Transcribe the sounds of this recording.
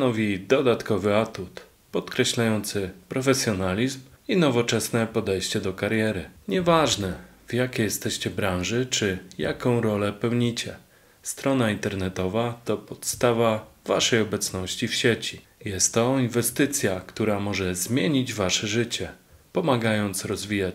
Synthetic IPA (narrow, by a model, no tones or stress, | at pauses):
t̪nɔvʲid̪ɔd̪at̪kɔvɘat̪ut̪ | pɔt̪kɾɛɕlajɔnt̪sɘpɾɔfɛsʲjɔnalʲizminɔvɔt͡ʂɛsnɛpɔd̪ɛjɕt͡ɕɛd̪ɔkaɾjɛɾɘɲɛvaʐnɛ | vjakʲeɛjɛst̪ɛɕt͡ɕɛbɾãñʐɘt͡ʂɘja̰kɔ̃w̃ɾɔlɛpɛwɲit͡ɕɛ | st̪ɾɔnaint̪ɛɾnɛt̪ɔvat̪ɔpɔt̪st̪avava̰ʂɛjɔbɛt̪snɔɕt͡ɕifɕɛt͡ɕijɛst̪ːɔinvɛst̪ɘt̪sʲjakt̪uɾamɔʐɛzmʲjeɲid͡ʑvaʂɛʐɘt͡ɕɛpɔmaɡajɔnt̪sɾɔzvʲijat͡ɕ